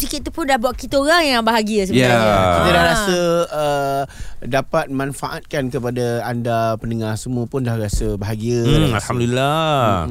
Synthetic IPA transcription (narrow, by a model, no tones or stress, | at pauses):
sikit̪ːupʊndahbuaʔkit̪əoɾaŋjaŋbaɦaɡiəs̬əbaakit̪ədahɾasəə | dapat̪̚mãnfaʔat̪̚kankəpadaandapənəŋarsəmũəpʊndahrasəbaɦaɡiəalamdila